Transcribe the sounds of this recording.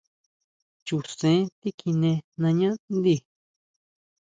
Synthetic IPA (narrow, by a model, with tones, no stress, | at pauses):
t͡ʃu˨sẽ˨˦t̪i˦kʰi˧nẽ˧nã˧ɲã˦nd̪i˧˨